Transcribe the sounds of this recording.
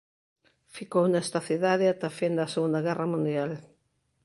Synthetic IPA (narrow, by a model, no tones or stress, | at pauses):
fikownɛst̪ɐθiðaðɪat̪ɐfend̪ɐseɣũnd̪ɐɣɛrɐmũnd̪jal